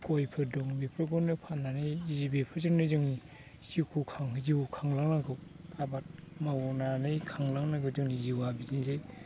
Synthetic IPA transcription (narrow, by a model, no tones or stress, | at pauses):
kɔjpʰɯdɔŋbipʰɯɡɔnɯpʰananɯjzibepʰɯzɯŋnɯzɯŋni | sikʰukʰaŋɦɯzikʰaŋlaŋnaɡɯwabat̚mawɔnanɯjkʰaŋlaŋnaɡɯzɯŋniziwabizinzej